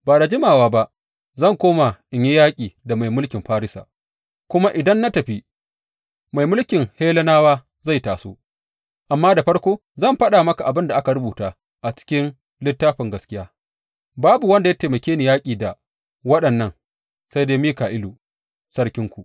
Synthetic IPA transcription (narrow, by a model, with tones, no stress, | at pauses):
baː˨ɾa˨d͡ʒɪ˦maː˨waː˨ba˦ʔ | zɐ˦˨ŋkʷoː˦ma˨ʔɪ˨ɲji˦jaː˦kʲʼiː˨da˨ma˨jmʊ˦lkʲɪ˨mɸaː˦ɾɪ˦sa̰ː˨ | kʷʊ˦ma˦ʔɪ˨dɐ˦nːa˦tɐ˨ɸi˦ | ma˨jmʊ˦lkʲɪ˨ŋheː˦lɐ˦naː˦waː˦ | za˦˨jtaː˨so̰ː˦ | ʔa˨mːaː˦da˨ɸɐ˦ɽkʷoː˦ | zɐ˦˨mɸɐ˦ɗa˨mɐ˦ka˨ʔa˨bɪ˦nda˨ʔa˦ka˨ɽʊ˦buː˨taː˦ | ʔa˨t͡ʃɪ̥˦kʲɪ˦n | lɪ˦tːaː˦ɸɪ˨ŋɡɐ˦skʲɪ˦jaː˦ | baː˦bu˨wɐ˦nda˨ja˦teː˨mɐ˨kʲeː˦niː˨jaː˦kʲʼiː˨da˨ | wɐ˦ɗɐ˨nːɐ˦ŋ | sa˦jdeː˦miː˦kaː˨ʔɪ˦luː˨ | sɐ˦ɽkʲɪ˦ŋkʷu˨